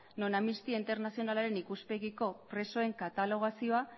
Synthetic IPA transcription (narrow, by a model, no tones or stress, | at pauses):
no̞namist̪iaint̪e̞ɾnasio̞nalaɾe̞nikuspe̞ɣiko̞pɾe̞so̞e̞ŋkat̪alo̞ɣ̞asio̞a